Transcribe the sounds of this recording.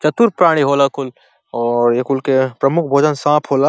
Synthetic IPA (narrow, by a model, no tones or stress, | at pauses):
t͡ʃət̪uɾpɾaɽ̃iɦolakul | ɔːɾekulkepɾəmukʰbʱoːd͡ʒənsãpʰɦola